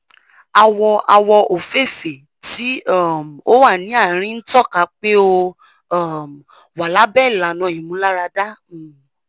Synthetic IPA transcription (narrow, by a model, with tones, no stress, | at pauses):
a˧wɔ˧a˧wɔ˧o˨fe˦˨fe˨ | ti˨˦ɔ˦˨m˨o˦wa˦˨nĩ˨˦a˦˨ɾ̃ĩ˦n̩˦tɔ˦˨ka˧˦k͡pe˦o˧˦˨ | m˨ | wa˨la˨˦bɛ˦˨la˨nɔ̃˨˦˨jĩ˨mũ˨˦la˦ɾa˧da˦˨